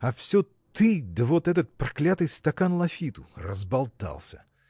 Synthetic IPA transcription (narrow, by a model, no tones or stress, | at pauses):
ɐfsʲɵ | t̪ɨd̪əvot̪ɛt̪ət̪̚pɾɐklʲat̪ɨjst̪ɐkanlˠɐfʲit̪ʊrə̰zbɐlˠt̪a̰lˠsʲə